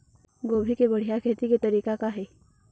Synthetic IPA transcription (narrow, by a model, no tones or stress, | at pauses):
ɡoːbʱikebəɽ̤ijakʰet̪iket̪əɾiːkakaɦe